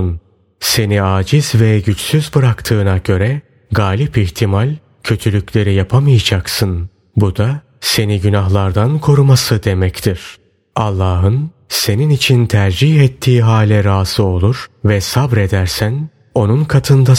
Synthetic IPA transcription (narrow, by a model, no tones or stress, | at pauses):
n | se̞niaːd͡ʒiz̥vɛɟyt͡ʃsyzbɯɾakt̪ʰɯːnaɟø̞ɾɛ | ɡaːlʲipiçt̪ʰimalʲ | cʰø̞t̪ʰylʲyclʲe̞ɾijapʰamɯjad͡ʒaksɯn | bud̪a | se̞niɟynaɦlˠaɾd̪ankʰo̞ɾumasɯd̪e̞mɛct̪ʰiɾ̥ | alˠːaːɦɯn | se̞ninit͡ʃʰint̪ʰæɾd͡ʒihɛt̪ʰːiːɦaːlʲɛɾaːzɯo̞lˠuɾ̥vɛsabɾe̞d̪æɾsæn | o̞nunkʰat̪ʰɯnd̪a